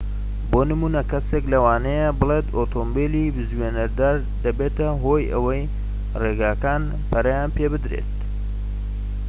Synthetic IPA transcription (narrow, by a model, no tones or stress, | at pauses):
boːnɨmuːnɐkɐseklɐwaːnɐjebɨlet̪ot̪ʰoːmbelibɨzweːnɐɾd̪aːɾ | d̪ɐbeːt̪ɐɦojʔɐ̰wɐj | reːɡaːkaːn | pʰɐɾɐjaːnpebɨd̪ɾḛt̪̚